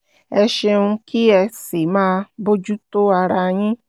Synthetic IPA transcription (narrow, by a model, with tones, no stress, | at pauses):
e˦ʃe˧nu˦kʰi˦ɛ˧si˨ma˦bo˦d͡ʒu˦to˦a˧ɾa˧ɲɪ˦